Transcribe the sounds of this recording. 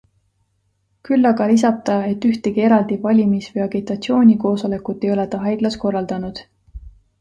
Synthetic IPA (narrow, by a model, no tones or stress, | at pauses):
kylːɑɡɑlis̬ɑb̥̚t̪ɑe̞t̪ːyht̪e̞ɡie̞ɾɑld̪̥ivɑlʲimisvɤjɑɡit̪ːˑɑt̪sio̞ːnʲiko̞ːso̞le̞kut̪ːˑe̞jo̞let̪ɑɦɑjɡ̥̪lɑsko̞rːɑld̪̥ɑnud̪̥